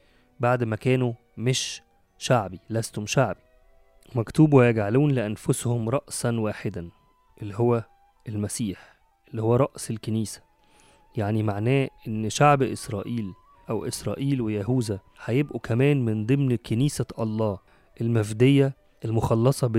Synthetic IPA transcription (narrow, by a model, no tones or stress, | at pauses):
baʕd̪mækæːnu | meʃ | ʃaʕbilæst̪homʃaʕbi | mækt̪uːbuwjæɡʕaluːnlɪʔænfoshomɾˤɑʔsɑnwæːħed̪æn | ʔelːiɦowːæ | ʔelmæsiːħ | ʔelːihowːæɾˤɑʔselkeniːsæ̥ | jaʕnimaʕnæːʔenːʃaʕbʔḛsɾˤɑ̰ːʔiːl | ʔæwʔḛsɾˤɑ̰ːʔiːlwejæɦuːzæ | ħæjebʔukʰæmæːnmɪnd̪ˤemnkeniːsæʔɑlˤːɑː | ʔelmæfd̪ejːæ | ʔelmoxɑlːɑsˤɑb